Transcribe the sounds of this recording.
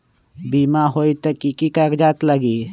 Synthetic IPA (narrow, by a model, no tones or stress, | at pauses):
biːmaɦoːit̪ekikikəɾd͡ʒaːt̪ləɡiː